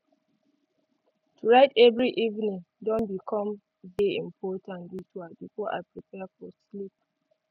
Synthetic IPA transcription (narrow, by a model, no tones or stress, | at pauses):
tʰuɹaɪtɛvɹiʔivnĩŋ | dɔ̃nbikʰɔ̃m | veĩmpʰɔtʰãnwituabifɔʔa̰pɹipɛfɔslip̚